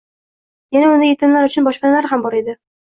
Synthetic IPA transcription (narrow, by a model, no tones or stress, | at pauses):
janaʊnd̪ɪjet̪ʰɪnlaɾʊt͡ʃʰʊnbɒʃpanalaɾɦambɒɾe̞d̪ɪ